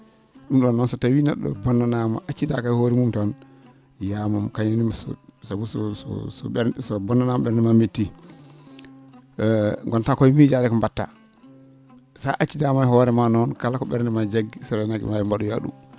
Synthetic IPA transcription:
ɗumɗɔnːɔnsɔtawinɛɗɔ̰bɔnːanama̰ʔat͡ʃːidakajhoːɾimumtɔn | jamamkaɲanimasɔ̰sabusɔsɔ̰sɔɓɛɾsɔbɔnːanamaɓɛɾnɛmametːi | ŋɡɔntakɔmid͡ʒaɾɛkɔmbatːa̰ | sa̰ʔat͡ʃːidamajhɔɾɛmanɔnkalakɔɓɛɾnɛmad͡ʒaɡisɔɾɛnakḭmajɛmbaɗuja̰ɗṵm

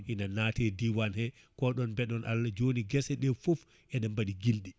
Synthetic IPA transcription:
ʔinanaːtɛdiwanhɛ | kɔɗɔnbɛɗɔnʔa̰lːad͡ʒoniɡɛsɛɗɛfuf | ʔɛɗɛmbaɗiɡildi

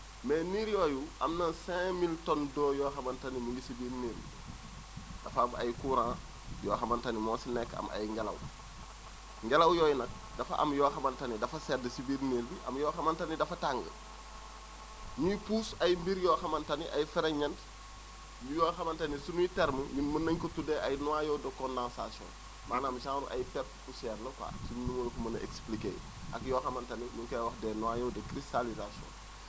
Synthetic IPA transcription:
meniːɾjoːjuʔɐmnɐnsɛ̃miltɔndɔːjɔːxɐmantanimiɡisibiːɾneːlbḭ | d̥ɐfama̰jkuːɾãː | jɔ̰ːxɐmantanimoːsinɛkːɐ̰ma̰jŋɡalɐ̰w | ŋɡalɐwjoːjnɐk̚ | dɐfɐ̰ʔɐ̰mjɔːxɐmantanidɐfɐsɛːdəsibiːɾneːlbiʔɐ̰mjɔːxɐmantanidɐfɐtaŋɡə̰ | mujpuːsɐjmbiɾjɔːxɐmɐntɐnḭʔɐjfɛɾɐɲɐnt | jujɔːxɐmɐntɐnisunuitɛɾməjunmənːɐɲkɔtudɛɐjnuwajɔdɐkɔndãnsasjɔ̰̃n | maːnaːmsãːŋɾṵʔɐ̰jpɛrppusɛːrnɐka̰ːsunnumolkumɐnɐʔḛksplikḛː | ʔɐkjɔːxɐmɐntɐnimukɐjwɐxdɛnɔwajɔdɛkɾistalizasjɔ̰̃n

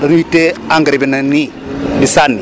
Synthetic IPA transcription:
ɾanuiteaŋɡɾibinani | disanːi

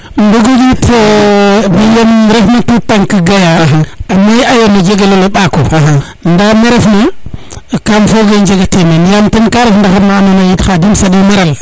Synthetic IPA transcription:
mbuɡod͡ʒitbijemɾefmatutaŋkiɡajaamajajenad͡ʒeɡeloleɓako | ndameɾefna | kamfoɡend͡ʒeɡatemenjamtinkaɾefndaxamanonajitxadimsadimaɾal

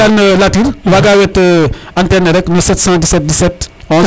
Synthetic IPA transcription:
anəlatiɾwaɡawɛtəɐntɛnɐɾɛknɔsɛtsãːdisɛt̚disɛt | ɔ̃

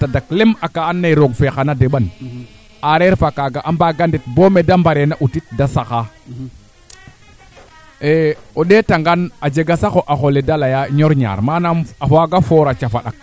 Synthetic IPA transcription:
tadaklemakaːnːajɾoɡfexanadeɓan | aɾeɾfakaɡaʔambaɡandit̚bomedambaɾenaʔutit̚dasaka | eoɗetaŋɡanad͡ʒeɡasaxoʔaxoledalajaɲoɾɲa̰ɾmanamafaɡafoɾat͡ʃafaɗa̰k̚

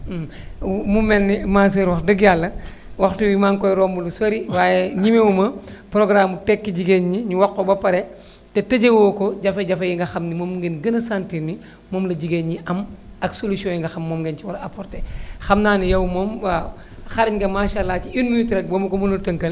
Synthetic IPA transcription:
mumːɛnːimas̬eɾwɐxdɐɡjalːɐ | waxtuwimaŋkɔjɾɔːmbulusoɾiwaːjeɲimewumɐpɾoɡɾaːmutɛkːiɟiɡeɲɲiɲuwakːobɐpɐɾe | tetɐɟewoːkoɟɐfeɟɐfejiŋɡɐxɐmnimomɡenɡɐnɐsantinːi | moːmlɐɟiɡeɲɲiʔɐmɐksolusiɔ̃jiŋɡɐxɐmːoːmɡenciwɐɾɐpoɾtexɐmnaːnijɐwmoːma | xaɾiɲɡɐmaʃalːaːt͡ʃiinminutɾɛk̚bomukomunuɾtɐŋkɐl

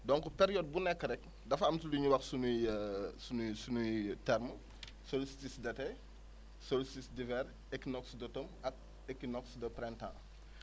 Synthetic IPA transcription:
dɔŋkupeɾijɔd̚bunɛkːɐɾɛk̚ | dɐfɐmtuliɲuwɐxsunusunsunujtɛɾmə | solisi̥tisdɛtɛj | solisitisdivɛɾ | ɛkːnɔksdɐtomɐk̚ | ɛkːinɔksdɐpɾɛntã̰

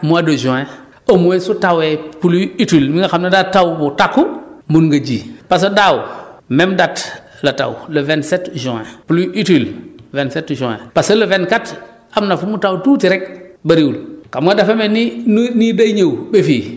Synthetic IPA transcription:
muadoʒɔ̃e | ɐmuesutawepuluitilmiŋɡaxamnadatːawbutakːumunɡad͡ʒiːpas̬odawmemdat | lata̰wləvensetʒõḛpuluʔitilvensetʒɔ̃ḛpasɐləvenkat | amnafumutawtutiɾek̚baɾiwulkamɡadafemeninidaɲewbefiː

